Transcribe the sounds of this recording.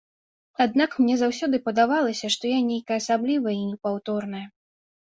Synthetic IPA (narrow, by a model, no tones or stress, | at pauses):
ad̪̚nakmnʲɛzawsʲɔd̪ɨpɐd̪avalˠɐsʲɐʂt̪ɔjanʲejkɐjɐːsablʲivɐjinʲɛpawt̪ɔrnɐjɐ